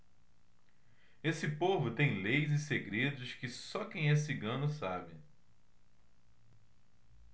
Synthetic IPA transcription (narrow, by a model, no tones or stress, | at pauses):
esɪpovʊt̪ẽj̃lejzɪseɡɾed̪ʊskɪsɔkẽj̃ɛs̬iɡɐ̃nʊsabɪ